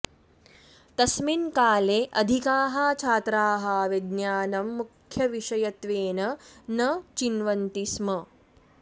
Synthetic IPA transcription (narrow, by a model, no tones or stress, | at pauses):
t̪ɐsminkaːleːʔɐd̪ʱikaːɦaːt͡ʃʰaːt̪ɾaːɦɐʋed̪njaːnɐmːukʰjɐʋiʃɐjɐt̪ʋeːnɐnɐt͡ʃinʋɐnt̪ismɐ